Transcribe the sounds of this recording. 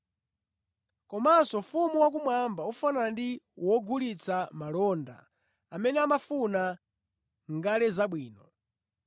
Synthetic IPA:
kɔmasɔfumuwak̬umwambaufanandiwɔɡulit͡samalɔnda̰ | amɛnɛamafuna | ŋɡalɛzaɓwiːnɔ

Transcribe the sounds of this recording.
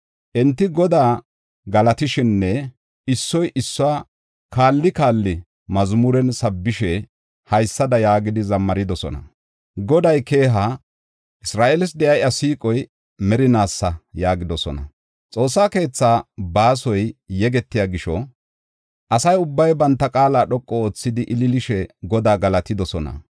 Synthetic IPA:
ʔɛnt̪ːɪɡɔd̪aː | ɡɐlɐt̪ɪʃɪnːɛ | ɪsːɔjʔɪsːɔwa | kaːlːɪkaːlːɪ | mɐzmʊɾɛnsɐbːɪʃɛ | hɐjsːɐd̪ɐjaːɡɪd̪ɪzɐmːɐɾɪd̪ɔsɔ̰nɐ̰ | ɡɔd̪ɐjke̞ːɦa | ʔɪsɾaːʔelɪsd̪ɛjɐjɐsiːkʼɔj | mɛɾɪnaːsːɐjaːɡɪd̪ɔsɔ̰nɐ̰ | t͡sʼo̞ːsːaːke̞ːt͡sːaːbaːsɔjjɛɡɛt̪ːɪjaːɡɪʃɔ | ʔɐsɐjʊbːɐjbɐnt̪ːɐkʼaːlaːɗɔkʼːɔoːt͡sːɪd̪ɪʔɪlɪlɪʃɛɡɔd̪aːɡɐlɐt̪ɪd̪ɔsɔnɐ̰

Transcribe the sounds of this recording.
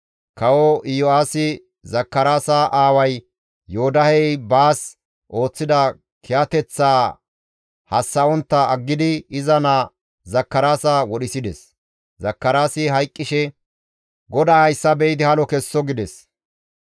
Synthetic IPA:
kɐwɔʔɪjɔaːsɪ | zɐkːɐɾaːsaʔaːwɐj | joːd̪ɐhɛjbaːs | ʔo̞ːt͡sːɪd̪ɐ | kʰɛjɐt̪ɛt͡sːaː | hɐsːɐɔnt̪ːɐɐɡːɪd̪ɪɪzɐna | zɐkːɐɾaːsɐwɔɗɪsɪd̪ɛs | zɐkːɐɾaːsɪɦɐjkʼːɪʃɛ | ɡɔd̪aːhɐjsːɐbɛjɪd̪ɪhɐlɔkɛsːɔɡɪd̪ɛs

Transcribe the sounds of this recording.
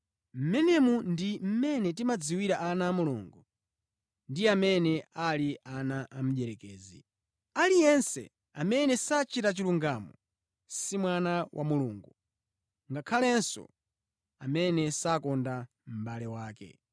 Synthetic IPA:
m̩mɛnɛmundim̩mɛnɛt̬imad͡ziwiɾaʔanaːmulṵːŋɡu | ndiamɛnɛaliʔanaʔam̩ʄɛɾɛkɛːzi | alijɛnsɛ̰ | amɛnɛsat͡ʃʰitat͡ʃiluŋɡamɔ | simwanawʔa̰muluːŋɡu | ŋɡakʰalɛnsɔ̰ | amɛnɛsakɔnda | m̩ɓalɛwaːkɛ̰

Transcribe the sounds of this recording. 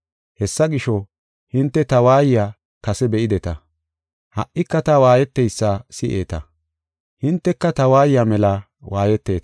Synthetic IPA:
hɛsːɐɡɪʃɔ | hɪnt̪ːɛt̪ɐwaːjjaː | kɐsɛbɛʔɪd̪ɛt̪ɐ | hɐ̰ʔːɪkːɐt̪ɐwaːjɛt̪ːɛjsːasɪʔeːt̪ɐ | hɪnt̪ːɛkːɐt̪ɐwaːjjamɛla | waːjɛt̪ːe̞ːt̪

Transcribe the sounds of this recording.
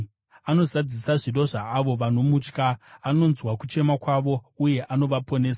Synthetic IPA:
ano̞zad͡zisaʐiɗo̞ʐaːʋo̞ʋanomut͡ʃkaːno̞nzwakut͡ʃe̞makwaʋo̞uje̞ʔano̞ʋapo̞ne̞ːsa

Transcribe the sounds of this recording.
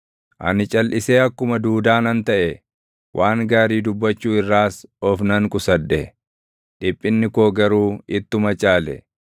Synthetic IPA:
ʔɐ̰nɪt͡ʃʼɐlʔɪseːɐkːʊmɐd̪uːd̪aːnɐnt̪ɐʔɛ | wʔaːŋɡaːɾiːd̪ʊbːɐt͡ʃːuːɪrːaːsɔfnɐŋkʼʊsɐd̪ːɛ | ᶑɪpʼːɪnːɪkoːɡɐɾuːɪt̪ːʊmɐt͡ʃʼaːlɛ̰

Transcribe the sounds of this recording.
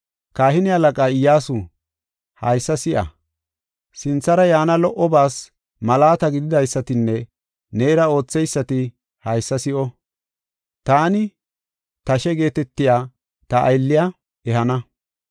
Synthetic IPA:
kaːhɪnɪɐlɐkʼaːɪjːaːsʊ | hɐjsːɐsɪʔɐ̰ | sɪnt͡sːɐɾɐjaːnɐlɔʔɔbaːs | mɐlaːt̪ɐɡɪd̪ɪd̪ɐjsːɐt̪ɪnːɛ | neːɪɾɐo̞ːt͡sːɛjsːɐt̪ɪ | hɐjsːɐsɪʔɔ | t̪aːnɪ | t̪ɐʃɛɡe̞ːt̪ɛt̪ːɪjaː | t̪ɐʔːjlːɪja | ɛɦɐnɐ

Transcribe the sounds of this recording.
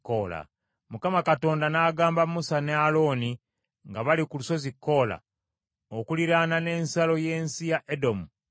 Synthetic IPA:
kːola̰ | mukamakato̞ːndanaːɡaːmbamusanealo̞ni | ŋɡaβalikuluso̞zikːo̞ːla̰ | okuliɾanane̞ːnsalo̞je̞ːnsijaʔedo̞mu

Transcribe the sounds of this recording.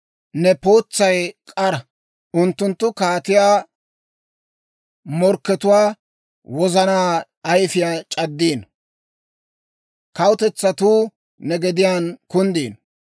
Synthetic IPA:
nɛpo̞ːt͡sːɐjkʼɐɾɐ | ʊnt̪ːʊnt̪ːʊkaːt̪ɪjaː | mɔɾkːɛt̪ʊwaː | wɔzɐnaː | ɐjfɪjaːt͡ʃʼɐd̪ːiːn | kɐwʊt̪ɛt͡sːɐt̪uː | nɛɡɛd̪ɪjaːnkʊnd̪iːn

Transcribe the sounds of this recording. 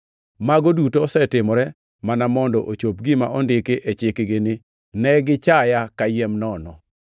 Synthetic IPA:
maɡodutosɛtɪmɔɾɛ | manamɔndɔʔot͡ʃop̚ɡɪmaʔɔndɪkeʔet͡ʃɪkɡɪnɪ | nɛɡɪt͡ʃajakajɛmnɔnɔ

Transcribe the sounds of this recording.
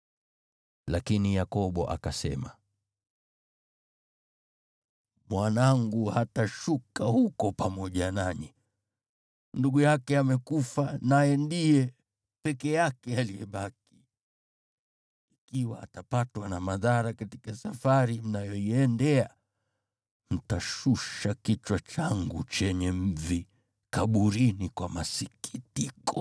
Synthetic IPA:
lakinijakɔɓɔ̰ʔa̰kasɛ̰ma | mwanaŋɡuhataʃukahukɔpamɔʄanaɲi | nduɠujakɛamɛkufanajɛndijɛ | pɛkɛjakɛaliɛɓaki̥ | ikiwa̰ːtapatwanamaðaɾakati̥kasafaɾim̩najɔiɛndɛa | m̩taʃuʃakit͡ʃwat͡ʃaŋɡut͡ʃɛɲɛm̩vi | kaɓuɾinikwamasikitikɔ

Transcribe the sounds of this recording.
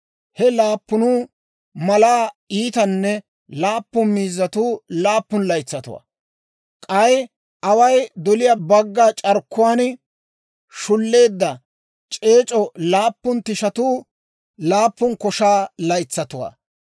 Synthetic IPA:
hɛlaːpːʊnuː | mɐlaːiːt̪ɐnːɛ | laːpːʊmiːzːɐt̪uːlaːpːʊnlɐjt͡sːɐt̪ʊwa̰ː | kʼɐj | ʔɐwɐjd̪ɔlɪjaːbɐɡːaːt͡ʃʼɐɾkːʊwaːn | ʃʊlːe̞ːd̪ːɐ | t͡ʃʼe̞ːt͡ʃʼɔlaːpːʊnt̪ɪʃɐt̪uː | laːpːʊnkɔʃaːlɐjt͡sːɐt̪ʊwa̰ː

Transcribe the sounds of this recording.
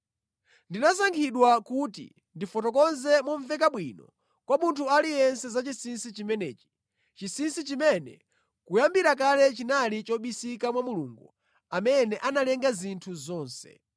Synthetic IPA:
ndinasaŋkʰiɗwakutḭ | ndifɔtɔkɔnzɛmuɱvɛk̬aɓwinɔ̰ | kwamuntʰualijɛnsɛzat͡ʃisinsit͡ʃimɛnɛ̰ːt͡ʃi̥ | t͡ʃisinsit͡ʃimɛnɛ̰ | kujambiɾak̬alɛt͡ʃinalit͡ʃɔɓisikamwamuluŋɡṵ | amɛnɛʔanalɛŋɡazintʰuzɔːnsɛ̰

